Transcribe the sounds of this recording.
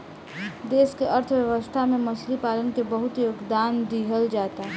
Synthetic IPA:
d̪eːskeəɾt̪ʰwjəʋəst̪ʰamẽmɐslipaːlənkebəɦʊt̪joːɡd̪aːnd̪iɦəld͡ʒaːt̪a

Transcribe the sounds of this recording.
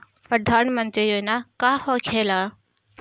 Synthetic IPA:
pəd̪ʱaːnmə̃nt̪ɾijonakaːhoːkʰeːlaː

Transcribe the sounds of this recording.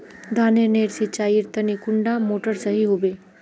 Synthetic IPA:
d̪ʱaneneɾsit͡ʃaiɾt̪ənikʊɳɖamoʈəɾsəɦiɦube

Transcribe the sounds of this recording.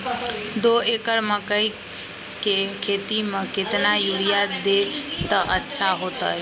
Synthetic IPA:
d̪oekəɾməkəj | kekʰet̪imẽket̪najuɽijad̪et̪əʔətːʃʰaɦot̪əj

